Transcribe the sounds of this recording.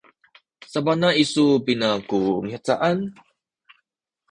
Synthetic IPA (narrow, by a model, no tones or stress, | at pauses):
sabanaisupinakumiat͡sa̰ʔan